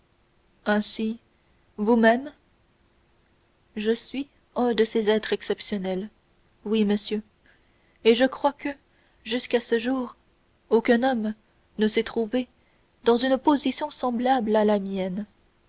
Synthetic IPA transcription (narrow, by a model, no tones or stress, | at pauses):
ɛ̃si | vumɛm | ʒəsɥi | œ̃d̪əsezɛt̪χɛksɛpsjɔnɛl | wiməsjø | eʒəkχwakə | ʒyskasəʒuːʁ | okɛ̃nɔm | nəsɛt̪χuve | d̪ɑ̃zynpozisjɔ̃sɑ̃blablalamjɛn